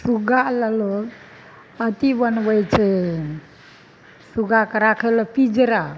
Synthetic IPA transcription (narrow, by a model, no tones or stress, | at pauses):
suɡaləlo | ət̪ibənbəjt͡ʃʰe | suɡakəɾakʰeləpid͡ʒɾa